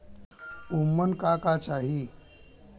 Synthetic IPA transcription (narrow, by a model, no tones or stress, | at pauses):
umːənkakat͡saɦi